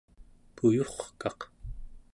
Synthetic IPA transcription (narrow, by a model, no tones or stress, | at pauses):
pujoχkɑq